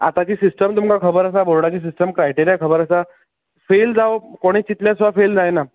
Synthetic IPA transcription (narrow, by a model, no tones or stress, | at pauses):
a̰t̪at͡ɕiːsisʈəmt̪umkakʰəbəɾəs̬abolɽat͡ɕiːs̬isʈəmkɾajʈiɾijakʰəbəɾəsa | feld͡zawkoɽ̃iːt͡ɕit̪ljasʋafeld͡zajna